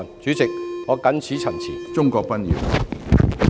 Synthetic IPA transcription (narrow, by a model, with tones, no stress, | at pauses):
nt͡ʃyː˨˥t͡sɪ˨k̚hɔː˨˧˥kɐ˨˥nsʰiː˨˥t͡sʰɐ˨˩nt͡sʰiː˨˩nt͡sʊ˥ŋkɔː˧k̚pɐ˥njḭ˨˧˩w